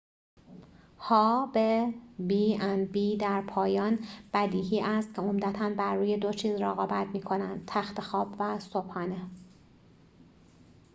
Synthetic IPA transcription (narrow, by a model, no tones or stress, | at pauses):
hɒːbebiːænbiːd̪æɾpʰɒːjɒːnb̥æd̪iːɦiːʔæst̪̚cʰeomd̪æt̪ʰænbæɾːuːje̞d̪o̞t͡ʃʰiːzreɣɒːbæt̪miːkʰo̞nænd̪̚t̪ʰæxt̪e̞xɒːbvæsobhɒːne